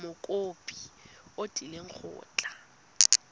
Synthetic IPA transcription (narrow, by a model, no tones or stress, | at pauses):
mʊkʼopʼi̥ | otʼileŋ̩k͡xʰʊ̰ːt͡ɬʼa